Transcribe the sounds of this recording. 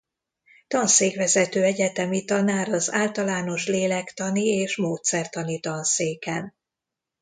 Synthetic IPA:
t̪ɒnseːkvɛzɛt̪øːɛɟɛt̪ɛmit̪ɒnaːɾɒzaːlt̪ɒlaːno̞ʃleːlɛkt̪ɒnieːʃmoːt̪sɛrt̪ɒnit̪ɒnseːkɛn

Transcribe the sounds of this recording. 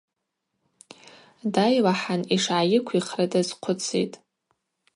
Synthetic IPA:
dajlaħaniʂʕajɪkʷʰiχradʼazqʷʰʊt͡sʰḭtʼ

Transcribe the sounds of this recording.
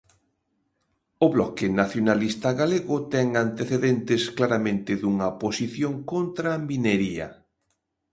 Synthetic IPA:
ʊβlɔkɪnaθjonalist̪aɣaleɣʊt̪ɛŋant̪eθeðɛnt̪ɪsklaɾamẽnt̪ɪðuŋɐposiθjoŋkont̪ɾamineɾiɐ̰

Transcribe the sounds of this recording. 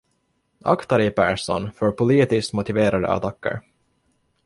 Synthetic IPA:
ʔa̰kt̪aɾɪpʰæːʂɔ̰nfœɾpʰʊliːt̪ɪst̪mʊt̪ɪveːɾad̪ə̰a̰t̪ʰakːə̰ɾ

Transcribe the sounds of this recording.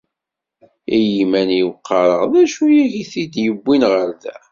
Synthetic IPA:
ijimæniwqʰːɑɾˤəʁðæʃujiʝiθid̪jəbːinʁəɾðæ̰

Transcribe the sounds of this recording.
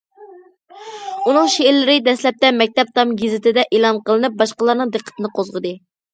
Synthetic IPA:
unɨŋʃeɾlɪɾɪd̪ɛslɛp̚t̪ɛmɛk̚ʲt̪ɛp̚t̪ʰɑmɡʲizɪt̪ɪd̪ɛʔelˠɑnqəlˠɨnɨp̚bɑʃqəlˠɑɾnɨŋd̪ɨqʰːə̥t̪ʰɨnɨqʰozʁəd̪ɨ

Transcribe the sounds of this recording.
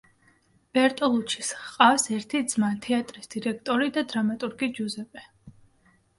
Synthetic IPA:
b̥ɛɾt̪ʼɔlˠut͡ʃʰi̥sqʼafsɛɾt̪ʰid̪z̥mat̪ʰɛat̪ʼɾisd̪̥iɾɛk̚ʰt̪ʼɔɾid̪ad̪ɾamat̪ʼuɾɡid͡ʒuzɛpʼɛ

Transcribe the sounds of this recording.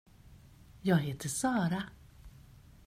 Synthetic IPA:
jɑːɡɦeːt̪ʰəsɑːɾa

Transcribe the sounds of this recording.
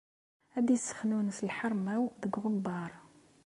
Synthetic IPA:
æd̪isə̥xnunfəlħɑɾˤmæwd̪əɡʁʊbːɑɾˤ

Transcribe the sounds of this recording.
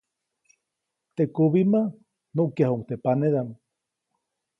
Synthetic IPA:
t̪ekuβima | nuʔkjahuŋkt̪epaneðam

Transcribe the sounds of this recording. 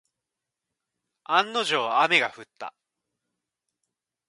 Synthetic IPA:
ãnːo̞ʑo̞ːame̞ɡaɸɯ̟t̪ːa̰

